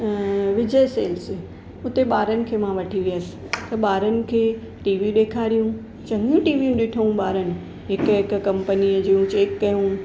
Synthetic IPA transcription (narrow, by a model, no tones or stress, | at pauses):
ʋɪd͡ʑəjseːls | ʊt̪eɓaːɾənɪ̆kʰeːmãʋɐʈʰiʋiəsɪ̥̆t̪ɐɓaːɾənɪ̆kʰeː | ʈiːʋiɗeːkʰaːɾijũ | t͡ɕɐ̃ŋɡijũʈiːʋijũɗɪʈʰəũɓaːɾənɪ̆ | ɦɪkʊɦɪk̆kɐ̃mpənid͡ʑiːũt͡ɕeːkkɐjũ